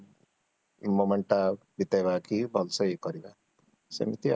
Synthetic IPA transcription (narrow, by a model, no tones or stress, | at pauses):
momeɳʈa | bit̪eβakibʱɔlsɔikɔɾiba | sḛmit̪i